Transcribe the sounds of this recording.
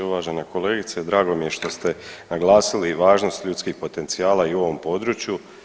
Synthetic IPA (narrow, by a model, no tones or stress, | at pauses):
uʋaːʒeneko̞le̞ːɡit̪sed̪ɾaːɡo̞mije̞ʃt̪o̞st̪e̞naɡlˠaːsiliʋaːʒno̞st̪ʎuːt̪skixpo̞t̪e̞nt̪siaːlaiuo̞ʋo̞mpo̞d̪ɾut͡ʃju